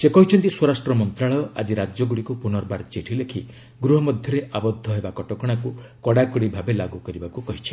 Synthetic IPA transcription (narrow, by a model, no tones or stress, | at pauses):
sekɔɦit͡ʃʰɔnt̪iswɔɾasʈɾɔmɔnt̪ɾaɭɔɔʔa̰d͡ʒiɾad͡ʒɔɡuɽikupunɔɾbaɾt͡ʃeʈʰilekʰi | ɡɾuɦɔmɔd̪ʱjɔɾeʔabɔd̪ʱːɔɦebakɔʈɔkɔɽ̃akukɔɽakɔɽibʱabelaɡukɔɾibakukɔɦit͡ʃʰi̥